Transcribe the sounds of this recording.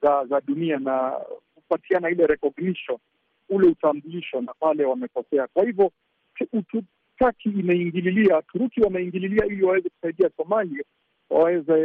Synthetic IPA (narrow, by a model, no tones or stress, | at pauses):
zazaɗunianakupatianailɛɾɛkɔɡniʃɔ | ulɛutambuliʃɔnapalɛwamɛkɔsɛakwahivɔ | utu | takiːmaiŋɡililiatuɾukiwamɛiŋɡililiailiwawɛzɛku̥saiɗiasɔmalia | wa̰wɛzɛ